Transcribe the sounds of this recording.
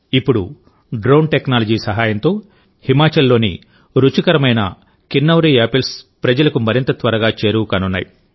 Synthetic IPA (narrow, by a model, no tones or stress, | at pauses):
ipːuɽṵ | ɖɾoːnʈeknaːlɐd͡ʒiːsɐɦaːjɐnt̪o̞ː | himaːt͡ʃɐlːo̞ːnḭ | ɾut͡ʃikɐɾɐmɐjnɐ̰ | kinːɐwɾiːeːpelspɾɐd͡ʒɐlɐkumɐɾint̪ɐt̪ʋɐɾɐɡaːt͡ʃe̞ːɾuːkaːnunːa̰ːjḭ